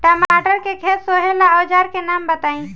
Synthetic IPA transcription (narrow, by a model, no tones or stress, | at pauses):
ʈəmaʈəɾkekʰet̪soɦelaɔːd͡ʒaːɾkenambət̪aːĩ